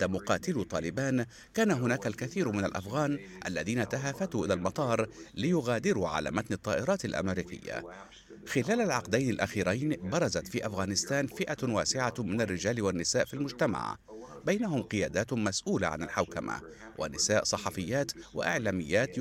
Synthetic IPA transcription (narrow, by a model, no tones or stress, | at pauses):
amʊqɑːt̪ɪlut̪ˤɑːlɪbaːn | kaːnaɦʊnaːkalkaθiːɾmɪnalʔa̰fɣaːnʔa̰lːaðiːnat̪aɦaːfat̪uːʔɪlaːlmɑt̪ˤɑːɾˤlɪjʊɣaːd̪ɪɾuʕa̰la̰ːmat̪nɨt̪ˤːɑːʔɪɾˤɑːt̪alʔa̰mɪɾiːkɪ̰jːa̰ | xɪlaːlalʕɑqd̪ajnɪlʔaxiːɾajnbɑɾˤɑzat̪fiːʔafɣaːnɪst̪aːnfɪʔawaːsɪʕamɪnarːɪd͡ʒaːlwanːɪsaːʔfilmʊd͡ʒt̪ama̰ʕ | bajnaɦʊmqɨjaːd̪aːt̪masʔuːla̰ʕa̰nɪlħawkama̰wʔa̰nɪsaːʔsˤɑħɑfɪjːaːt̪wa̰ʔɪʕlaːmɪjːaːt̪